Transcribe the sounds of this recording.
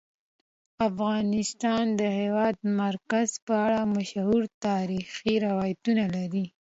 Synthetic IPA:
afɣɑnɪst̪ɑnd̪əhewɑd̪̚maɾkazpəaɽamaʃhuɾt̪ɑɾixiɾawɑjat̪unalaɾi

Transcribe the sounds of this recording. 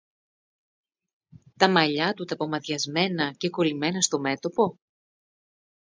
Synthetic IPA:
t̪ɐmɐʎɐt̪ut̪ɐpo̞mɐt̪ʝɐzme̞nɐce̞ko̞lime̞nɐst̪o̞me̞t̪o̞po̞

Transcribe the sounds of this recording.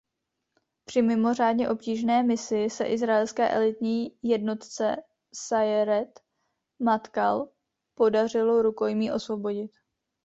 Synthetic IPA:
pr̝̥ɪmɪmo̞r̝aːdɲɛʔo̞pciːʒnɛːmɪsɪsɛ̰ʔɪzɾaɛlskɛ̰ːʔɛlɪt̪ɲiːjɛdno̞t̪t͡sɛ | sajɾɛt̪ | mat̪kal | po̞dar̝ɪlo̞ɾuko̞jmiːʔo̞svo̞bo̞ɟɪt̪

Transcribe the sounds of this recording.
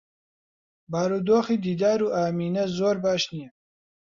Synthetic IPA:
baːɾuːd̪oːxiːd̪iːd̪aːɾuːʔaːmiːnɛzoːɾbaːʃnijɛ

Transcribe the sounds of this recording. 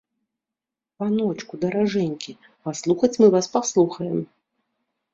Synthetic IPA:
panɔt͡ʂkud̪ɐɾaʐɛnʲkʲi | paslˠuxɐt͡sʲmɨvaspaslˠuxɐjɛm

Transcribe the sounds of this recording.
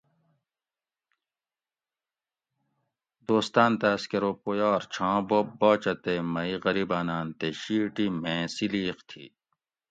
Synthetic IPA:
d̪oːst̪aːnt̪aɐskeɾoːpojaɾt͡ɕʰãːbobːɔːt͡ɕɐt̪emɐiʁɐɾiːbaːnaːnt̪eɕiːʈimẽːsiliːxt̪ʰḭː

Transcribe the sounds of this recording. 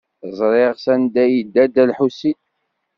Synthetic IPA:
zˤɾˤeʁsænd̪æjəd̪ːæd̪ælħusːit̪

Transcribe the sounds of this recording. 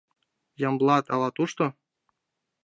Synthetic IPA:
jɑmblˠɑt̪ɑlˠɑt̪uʃt̪o

